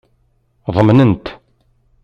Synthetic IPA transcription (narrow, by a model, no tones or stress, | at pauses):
ðˤəmnənt̪